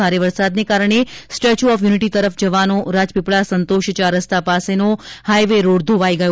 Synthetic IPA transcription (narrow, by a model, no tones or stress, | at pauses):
aɾeʋəɾsad̪nekaɾəɳ̃esʈet͡ʃuɔfjuniʈit̪əɾəfd͡ʒəʋanoɾad͡ʒpipɭasənt̪oʃt͡ʃaɾəst̪apasenohajʋeɾoɽd̪ʱoʋaiɡəjo